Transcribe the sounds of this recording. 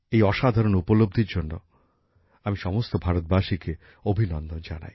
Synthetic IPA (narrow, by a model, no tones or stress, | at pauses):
ejɔʃad̪ʱaɾonupolob̚d̪ʱiɾd͡ʑonːo̰ | amiʃɔmost̪obʱaɾot̪̚baʃike | obʱinɔnd̪ond͡ʑana̰j